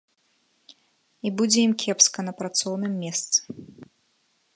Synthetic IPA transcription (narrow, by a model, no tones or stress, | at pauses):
ibud͡zʲɛjimkʲʰɛpskɐnɐpɾat̪sɔwnɨmːʲɛst̪sɨ̥